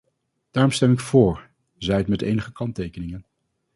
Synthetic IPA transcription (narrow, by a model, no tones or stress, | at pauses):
d̥aːrɔmstɛmɪkfʊːɹ | zɛjətmɛtḛjnəχəkɑntejkənɪŋən